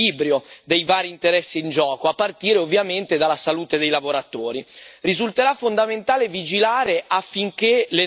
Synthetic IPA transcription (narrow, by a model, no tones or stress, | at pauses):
iːbɾjod̪ejvaːɾiːnt̪eɾɛsːiːnd͡ʒɔːkoapːart̪iːɾeovːjament̪ed̪alːasaluːt̪ed̪ejlavoɾat̪oːɾirizult̪eɾafːond̪ament̪aːlevid͡ʒilaːɾeʔafːiŋk̟ele